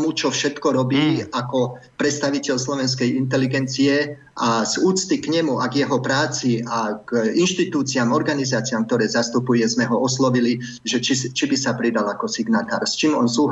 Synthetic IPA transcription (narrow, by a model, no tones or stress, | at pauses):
mut͡ʃɔfʃɛt̪kɔɾɔbiːakɔpɾɛt̪st̪aʋicɛʎslɔʋɛns̬kɛjint̪̬ɛliɡɛnt͡sijɛ | ʔaz̥uːt͡st̪ikɲɛmuʔaɡjɛɦɔpɾaːt͡siaɡinʃt̪it̪uːt͡siamɔɾɡanizaːt͡siamk̚t̪ɔɾɛːzast̪upujɛzmɛɦɔɔslɔʋili | ʒɛt͡ʃist͡ʃibisapɾid̪alakɔsiɡnat̪aːɾst͡ʃiːmɔ̰nsuːɦ